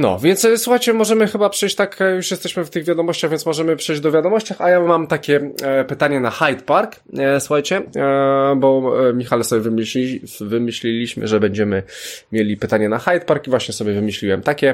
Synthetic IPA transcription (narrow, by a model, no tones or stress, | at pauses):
nɔ̰vʲjɛntsswuxajt͡ɕɛmɔʐɛmɘxɘbapʂɛjɕt͡ɕt̪akjuʂjɛst̪ɛɕmɘft̪ɘɣvʲjad̪ɔmɔɕt͡ɕaɣvʲjɛnsmɔʐɛmɘpʂɛjd͡ʑd̪ɔvʲjad̪ɔmɔɕt͡ɕaxajamamt̪akʲɛpɘt̪aɲɛnaxajt̪paɾksuxajt͡ɕɛ | bɔmʲixalɛsɔbʲjɛvmivɘmɘɕlʲilʲiɕmɘ̰ʐɛbɛɲd͡ʑɛmɘmʲjelʲipɘt̪aɲɛnaxajt̪̚paɾkivwaɕɲɛsɔbʲjɛvɘmɘɕlʲiwɛmt̪akʲɛ